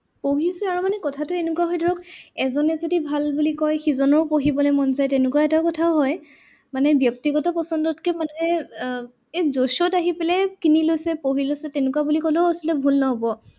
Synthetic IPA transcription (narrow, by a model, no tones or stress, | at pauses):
poɦisɛaɹumanɛkɔtʰatʊenʊkuwaɦɔjdʱɔɹɔkɛzɔnɛzodibʱalbulikɔjxizɔnɔɹpoɦibɔlɔmɔnzajtɛnʊkuaɛtaʊkɔtʰaʊɦɔj | manɛbjɔk̚tiɡɔtɔpɔsɔndɔtkɛmanɛ | ɛzosɔtaɦipɛlɛkinilojsɛpoɦilojsɛtɛnʊkuwabulikɔloasɔltɛbʱulnɔɦɔbɔ